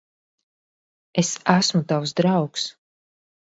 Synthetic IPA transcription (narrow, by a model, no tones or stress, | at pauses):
esæsmut̪awsd̪ɾawks